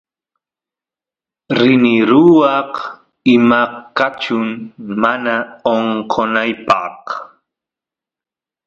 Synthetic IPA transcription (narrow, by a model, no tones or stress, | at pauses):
ɾɪnɪɾʊwɑq | ɪmakat͡ʃʊŋmanaoɴqʰonajpɑq